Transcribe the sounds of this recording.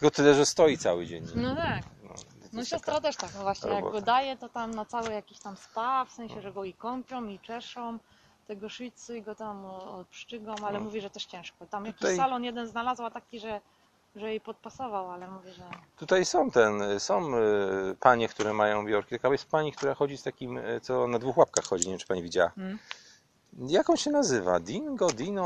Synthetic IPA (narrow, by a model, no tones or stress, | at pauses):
ɡɔt̪ɘlɛʐɛst̪ɔjit̪sawɘ̰d͡ʑɛ̰ɲnɔt̪aknɔ̰ | nɔɕɛst̪ɾat̪ɛʂt̪aknɔvwaɕɲɛjaɡ̰ɡɔd̪ajɛt̪ɔt̪amnat̪sawɛjakʲiɕt̪amspafsɛ̃ɲ̃ɕɛʐɛɡɔikɔmpʲjɔ̃w̃it͡ʂɛʂɔ̃wm | t̪ɛɡɔʂɨsɨɡɔt̪amɔɔt̪̚pʂt͡ʂɘɡɔ̃malɛmuvʲiʐɛt̪ɛʂt͡ɕɛ̃w̃ʂkɔt̪amjakkisalɔnjɛd̪ɛnznalazwat̪akʲiʐɛ | ʐɛjejpɔt̪̚pasɔvawalɛmuvʲjɛʐɛt̪ut̪ajsɔ̃w̃t̪ɛnsɔ̃w̃paɲɛkt̪uɾɛmajɔ̃w̃bʲjɔɾkʲit̪akabɔjɛst̪̚paɲik̚t̪uɾaxɔd͡ʑist̪akʲimt̪sɔnad̪vuxwap̚kaxːɔd͡ʑiɲevʲjɛmt͡ʂɘ̥paɲivʲid͡ʑawa̰ | jakɔ̃ñɕɛnazɘva̰d̪ʲinɡɔd̪inɔ